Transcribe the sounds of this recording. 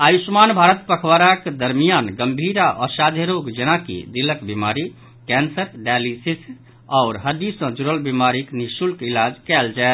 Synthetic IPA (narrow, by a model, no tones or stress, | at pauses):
ajusmanbʱaɾət̪pəkʰʋaɾaked̪əɾmijanɡəmbʱiɾaʔɔsad̪ʱjəɾoɡd͡ʒenakḭd̪iləkbimaɾi | kɛnsəɾɖalisis | ɔːɾɦəd̪isə̃d͡ʒuɾəlbimaɾiknisulkilad͡ʒkɛld͡ʒae